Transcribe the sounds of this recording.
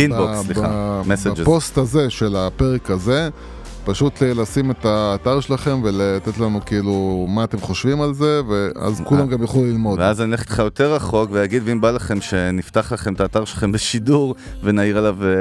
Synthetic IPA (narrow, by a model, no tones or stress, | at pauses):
inboksliχamesed͡ʒepo̞st̪aze̞ʃe̞lape̞ʁekaze̞ | paʃut̪lelasime̞t̪aːt̪aʁʃelaχe̞mve̞leat̪e̞t̪lanukiilumaːt̪e̞mχo̞ʃvimalze̞vea̰zkulamɡamjaχulilmo̞dveazanileχtχajo̞t̪e̞ʁaχo̞kvejaɡid̪vimbalaχe̞mʃe̞nift̪aχlaχemetaːt̪aʁʃelaχe̞mbeʃiduʁvenaiʁalav